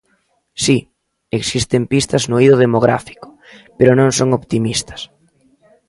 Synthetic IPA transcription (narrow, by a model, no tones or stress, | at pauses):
si | eksist̪empist̪ɐznoiðʊð̞emoɣɾa̰fi̥kʊ̥ | peɾʊnõŋsoŋoβt̪imist̪ɐ̥s